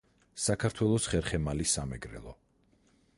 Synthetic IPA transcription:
sakʰaɾt̪ʰwɛlˠɔsχɛɾχɛmalisamɛɡɾɛ̰lˠɔ

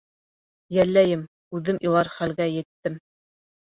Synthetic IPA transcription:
jælːæjɘm | ʉðɘmʔilˠɑɾχælɡæjɘ̆t̪ːɘm

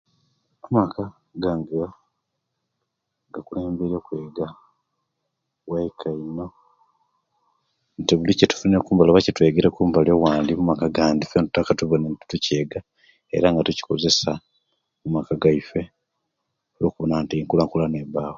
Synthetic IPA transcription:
amakʰa | ɡaŋɡa | ŋɡakule̞ːmbeɾokwe̞ːɡa | waikʰaino̞ | nteβulicetu̥funekuːmbalaβacetwe̞ːɡeɾekuːmbalowaːndimumakaɡaːndifentu̥tːakatuβonenti̥tuce̞ːɡa | e̞̰ɾaŋɡatuci̥ko̞ze̞sa | mumakaɡaife | oloːkuβonantiiŋkulaŋkulaneβaːwo

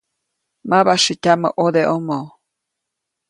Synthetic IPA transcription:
maβaʃicʲamə̰ʔod̪eʔomo

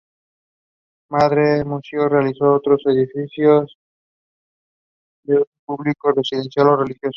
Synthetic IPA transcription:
mad̪ɾemusiorealisoot̪ɾosedifisjos | d̪epublikopesid̪ensialorelixjos

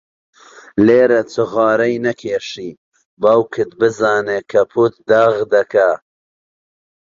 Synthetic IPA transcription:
leːɾɐt͡sɨɣɑːɾɐjnɐkʰeːʃi | baːwkʰɨt̪bɨzɑːnekʰɐpʰut̪̚d̪ɐɣd̪ɐkʰɐ

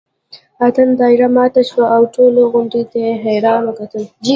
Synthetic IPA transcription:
at̪ənd̪ɑɪɾamɑt̪aʃwaʔːwʈoloɣʊɳɖit̪eɦejɾɑnwəkat̪əld͡ʒi

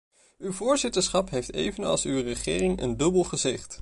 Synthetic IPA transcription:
ywvʊːɹzɪtəɹsχɑpɦejftḛjvənɑ̰lˠsywrəχɪːrɪŋə̰ndɵbəlˠχəzɪχt

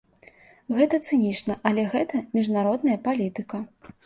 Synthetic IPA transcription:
ɣɛt̪ɐt̪sɨnʲit͡ʂnɐʔɐlʲɛɣɛt̪ɐmʲiʐnaɾɔd̪nɐjɐpalʲit̪ɨkɐ

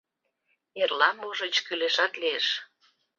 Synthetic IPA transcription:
erlɑmoʒə̆t͡ɕkyleʃɑt̪lieʃ

